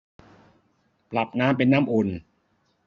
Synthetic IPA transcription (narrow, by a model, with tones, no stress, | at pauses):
pla˨˩p̚naː˦˥mp̬e˧nːaː˥˨mʔo˧n